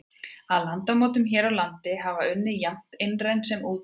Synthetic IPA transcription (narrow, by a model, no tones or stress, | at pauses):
aðlant̪amɔːwt̪ʏmçɛːɾawlant̪ɪɦavaʏnːɪjam̥t̪ɪnrejnsɛmuːt̪